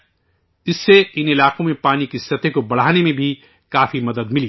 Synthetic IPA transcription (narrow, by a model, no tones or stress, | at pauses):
ɪsːeɪnɪlaːkõmẽpaːnikisɐt̪ʰekobɐɽ̤aːnemẽbʱi | kaːfʰimɐd̪əd̪mɪli